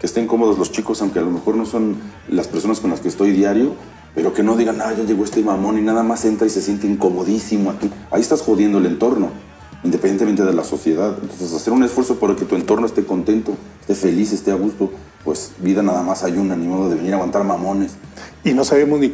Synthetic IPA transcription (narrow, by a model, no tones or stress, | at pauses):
kest̪e̞ŋko̞mo̞ðo̞zlo̞st͡ʃiko̞sawŋkealo̞me̞xo̞ɾno̞so̞nlaspe̞ɾso̞nasko̞nlaskeːst̪o̞jðjaɾjo̞ | pe̞ɾo̞ke̞no̞ðiɣanaðaʝaʝe̞ɣoest̪e̞mamõ̞ninaðamase̞nt̪ɾaisesje̞nt̪eiŋko̞mo̞ðisimoak̪ia̰iest̪asxo̞ðje̞nd̪oelent̪o̞ɾno̞ | ind̪epenenme̞nt̪eðe̞laso̞sje̞ðaðent̪onsesase̞ɾune̞sfwe̞ɾso̞poɾalket̪ue̞nt̪o̞ɾnoe̞st̪e̞ko̞nt̪e̞nt̪o̞e̥st̪e̞fe̞lise̞st̪e̞aɣ̞ust̪o̞ | pwe̞sbiðanaðamasajunanimo̞ðoðe̞βe̞niɾaɣwant̪aɾmamõ̞ne̞sino̞saβemozni